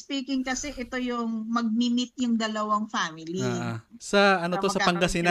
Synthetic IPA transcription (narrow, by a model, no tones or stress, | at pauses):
spiːkɪŋkɐsɛʔɛt̪o̞jʊŋmɐɡ̚mɪmɪt̪̚jʊŋd̪ɐlɐwaŋfaːmɪliaasɐʔɐno̞t̪o̞sɐpɐŋɡɐsɪna